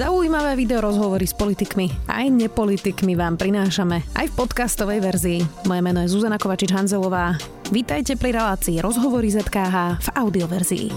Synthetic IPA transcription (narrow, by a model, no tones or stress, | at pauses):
zauimaʋɛːʋid̪ɛɔɾɔzɦɔʋɔɾispɔlit̪ikmia̰jɲɛpɔlit̪ikmiʋaːmpɾinaːʃamɛa̰jfpɔt̪kast̪ɔʋɛjʋɛɾziːmɔjɛmɛnɔjɛzuzanakɔʋat͡ʃid͡ʒɦanzɛlɔʋaː | ʋit̪ajcɛpɾiɾɛlaːt͡siːɾɔzɦɔʋɔɾizɛt̪kaːɦaːv̥aʊd̪iɔʋɛɾzḭḭ